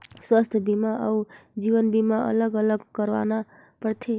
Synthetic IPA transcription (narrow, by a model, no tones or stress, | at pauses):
swast̪ʰjəbimaʔəud͡ʒiwənbimaə̰ləɡələɡkəɾʋa̰na | pəɾt̪ʰe